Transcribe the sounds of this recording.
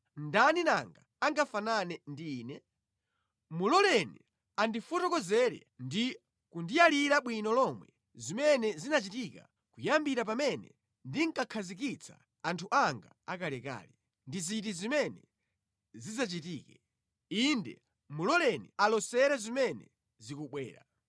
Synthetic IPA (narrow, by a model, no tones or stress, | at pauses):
ndanina̰ŋɡa | aŋɡafananɛndiːnɛ | mulɔlɛnɛ | andifɔtɔkɔzɛɾɛ̰ | ndi | kundijaliɾaɓwinɔlɔmwɛ̰ | zimɛnɛzinat͡ʃitika̰ | kujambiɾapamɛnɛ | ndiŋ̩kakʰazik̬it͡sʰa̰ | antʰuʔaŋɡa̰akalɛka̰ːlɛ | ndizit̬izimɛnɛ | zizat͡ʃitiːkɛ | indɛ̰ | mulɔlɛnɛ̰alɔsɛɾɛzimɛnɛ̰ | zikuɓwɛ̰ːɾa